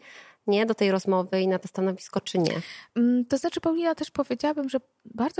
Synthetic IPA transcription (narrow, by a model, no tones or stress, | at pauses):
ɲɛd̪ɔt̪ɛjɾɔzmɔvɘinat̪ɔst̪anɔvʲiskɔt͡ʂɘɲɛ̰t̪ɔznat͡ʂɘpawlʲinat̪ɛʂpɔvʲjed͡ʑawabɘmʐɛ | baɾd̪z